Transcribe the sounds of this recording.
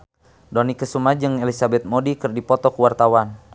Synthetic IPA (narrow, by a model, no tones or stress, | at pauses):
dɔnikəsumad͡ʒɨŋɛlisabɛt̪̚modikɨrdipɔt̪ɔkuwart̪awan